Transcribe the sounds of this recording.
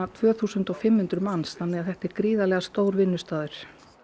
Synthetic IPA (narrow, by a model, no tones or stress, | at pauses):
at̪ʰvœːθuːsʏnt̪ɔfɪmhʏnt̪ɾʏmansθanːɛɣaðθɛht̪ɛɾkɾiːðalɛɣast̪oːwɾvɪnːʏst̪aːðʏɾ̥